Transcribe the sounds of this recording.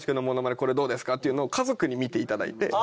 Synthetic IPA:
ɕi̥kɯnomo̞no̞mad̪eko̞ɾe̞d̪o̞ːd̪esɨ̥kat̪ːeiɯ̟noːkʰazo̞kɯ̟ɲ̟imʲit̪e̞it̪ad̪a̰ḭt̪e̞̰

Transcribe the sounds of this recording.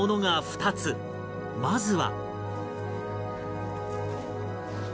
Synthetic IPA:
ono̞ŋaɸɯ̟̥t̪at͡sɨ | mazɨβa̰

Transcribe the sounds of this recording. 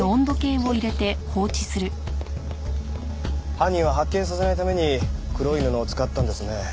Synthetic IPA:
oõnd̪o̞kẽ̞ɰ̃o̞iɾe̞t̪e̞ho̞ːt͡ɕi̥sɨɾɯ̟ | hãɲ̟ːĩɰ̃βaɦakːẽ̞ɰ̃s̬ase̞nait̪ame̞ɲ̟ikɯ̟ɾo̞inɯnoːt͡sɨ̥kat̪ːãnd̪e̞sɨne̞

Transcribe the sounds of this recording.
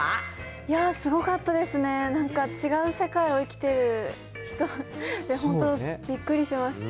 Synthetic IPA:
jasɨɡo̞kat̪ːad̪e̞sɨne̞nãŋkat͡ɕiɡaɯ̟se̞kaio̞ikʲi̥t̪e̞ɾɯ̟ | çi̥t̪o̞d̪̥e̞ɦõ̞nt̪obʲikːɯ̟ɾʲiɕemaɕi̥t̪a

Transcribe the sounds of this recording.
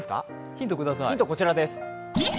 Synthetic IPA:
sɨ̥ka̰ | çĩnt̪o̞kɯ̟d̪asaĩnt̪o̞ko̞t͡ɕiɾad̪esɨ̥

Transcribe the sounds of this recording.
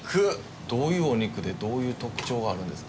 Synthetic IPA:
kʰɯ | d̪̥o̞ːjɯ̟ːoɲ̟ikɯ̟d̪e̞d̪o̞ːjɯ̟ːt̪o̞kɯ̟̥t͡ɕo̞ːɡaːɾɯ̟̃nd̪e̞sɨ̥k

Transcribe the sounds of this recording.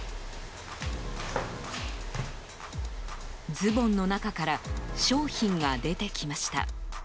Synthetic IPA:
d͡zɨbõ̞nːo̞nakakaɾaɕo̞ːçĩŋɡad̪e̞t̪e̞kʲimaɕi̥t̪a̰

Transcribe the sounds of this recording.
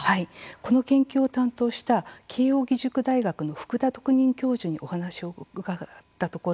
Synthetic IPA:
haiko̞no̞kẽ̞ŋkʲoːt̪ãnt̪o̞ːɕi̥t̪akʰe̞ːjo̞ːɡʲiʑɨkɯ̟d̪aiɡakɯ̟no̞ɸɯ̥kɯ̟d̪at̪o̞kɯ̟ɲ̟ĩŋkʲo̞ːʑoɲ̟iʔo̞hanaɕio̞ɯɡat̪ːat̪o̞ko̞

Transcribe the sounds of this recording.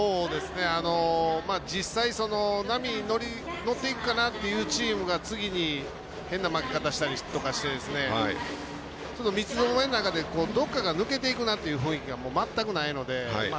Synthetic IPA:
o̞ːd̪e̞sɨne̞ano̞maːd͡ʑisːaiso̞no̞namʲino̞ɾʲi | no̞t̪ːe̞ikɯ̟kanat̪ːe̞jɯ̟ːt͡ɕiːmɯ̟ɡat͡sɨɡʲiɲ̟i | hẽ̞nːamakʲi̥kat̪aɕi̥t̪aɾʲit̪o̞kaɕi̥t̪e̞d̪e̞sɨne̞a̰i | t͡ɕono̞mʲit͡sɨno̞momenonakad̪e̞ko̞ːd̪o̞kːaɡanɯ̟ke̞t̪̬e̞ikɯ̟nat̪ːejɯ̟ɸɯ̟̃ɰ̃ikʲiɡamo̞ːmat̪ːakɯ̟naino̞d̪e̞a̰a

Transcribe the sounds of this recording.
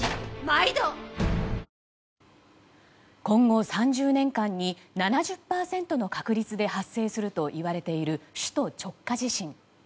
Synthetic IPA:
maid̪o | kõ̞ŋɡo̞sãɲd͡ʑɨːnẽ̞ŋkãɲ̟ːinanaʑɨpːaːsẽ̞nt̪o̞no̞kakɯ̟ɾʲit͡sɨd̪e̞hasːe̞ːsɨɾɯ̟t̪o̞ʔiβaɾe̞t̪e̞iɾɯ̟ɕɨ̥t̪o̞t͡ɕo̞kːaʑiɕĩŋ

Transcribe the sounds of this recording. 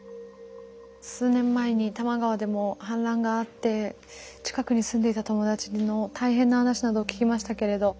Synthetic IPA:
sɨːnẽ̞mːae̞ɲ̟it̪amaɡaβad̪e̞mo̞hãnɾãŋɡaːt̪ːe̞ | t͡ɕi̥kakɯ̟ɲ̟isɨ̃nd̪e̞it̪at̪o̞mo̞d̪at͡ɕino̞t̪aiɦẽ̞nːahanaɕinad̪oːkʲi̥kʲimaɕi̥t̪ake̞ɾe̞d̪o̞

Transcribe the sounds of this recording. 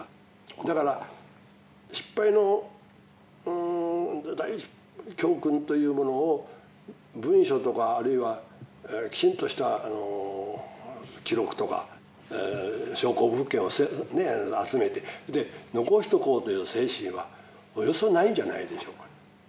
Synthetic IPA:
d̪akaɾa | ɕi̥pːaino̞ | d̪ai̥ | kʲoːkɯ̟̃nt̪o̞jɯ̟ːmo̞no̞ː | bɯ̟̃ɰ̃ɕo̞t̪o̞kaːɾɯiβa | kʲi̥t͡ɕĩnt̪o̞ɕi̥t̪aano | kʲiɾo̞kɯ̟̥t̪o̞ka̰ | ɕo̞ːko̞ːɯ̟kːẽoseneat͡sɨme̞t̪e̞d̪eno̞ko̞ɕʲçi̥t̪o̞ko̞ːt̪o̞jɯ̟ːse̞ːɕĩβa̰ | ojo̞sonaĩɲ̟d͡ʑana̰id̪e̞ɕo̞ːkḁ

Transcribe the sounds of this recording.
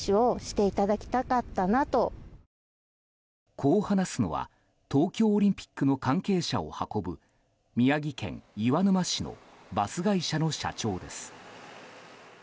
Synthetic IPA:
io̞ɕi̥t̪e̞it̪ad̪akʲi̥t̪akat̪ːanat̪o̞ | kʰo̞ːhanasɨno̞̰βa̰ | t̪o̞ːkʲo̞ːɾʲĩmpʲi̥kːɯ̟no̞kãŋke̞ːɕa̰o̞̰hako̞bɯ̟ | mʲiaɡʲikẽ̞̰ŋjɯβanɯmaɕino̞̰ | basɨɡaiɕano̞ɕa̰t͡ɕo̞ːd̪e̞sɨ̥

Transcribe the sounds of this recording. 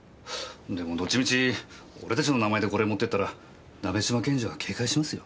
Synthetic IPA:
d̪e̞mo̞d̪o̞t͡ɕimʲit͡ɕi | o̞ɾe̞t̪at͡ɕino̞namae̞d̪e̞ko̞ɾemo̞t̪ːet̪ːaɾa | nabe̞ɕimakẽ̞ɲ̟d͡ʑiβakʰe̞ːkaiɕimasɨjo̞̰

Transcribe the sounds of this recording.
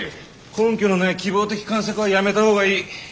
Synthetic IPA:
kõ̞ŋkʲono̞nekʲibo̞ːt̪e̞kʲi̥kãɰ̃s̬okɯ̟βajame̞t̪aho̞ːɡaiː

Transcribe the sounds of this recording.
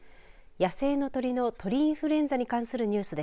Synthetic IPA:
jase̞ːno̞t̪o̞ɾʲino̞t̪ʰo̞ɾʲiĩɰ̃ɸɯ̟ɾẽ̞nd͡zaɲ̟ikãɰ̃sɨɾɯ̟ɲ̟ɨːsɨd̪e

